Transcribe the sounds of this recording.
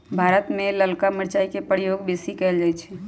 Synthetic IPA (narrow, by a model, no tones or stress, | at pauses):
bʱaɾət̪meləlkamiɾt͡ʃaikepəɾijoɡbesikɛld͡ʒajt͡ʃʰɛ